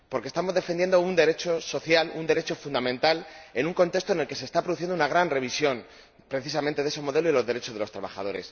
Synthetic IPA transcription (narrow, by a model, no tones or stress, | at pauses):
po̞ɾkest̪amo̞zðe̞fend̪je̞nd̪o̞und̪e̞ɾe̞t͡ʃo̞so̞θjalund̪e̞ɾe̞t͡ʃo̞fund̪amẽnt̪ale̞nuŋko̞nt̪e̞st̪oene̞lke̞se̞st̪apɾðuθjend̪unaɣ̞ɾanre̞β̞isjo̞n | pɾe̞θisamẽnt̪eesomo̞ðe̞loilo̞zðeɾe̞t͡ʃo̞zðeot̪ɾaβa̰xa̰ð̞o̞ɾe̞̰s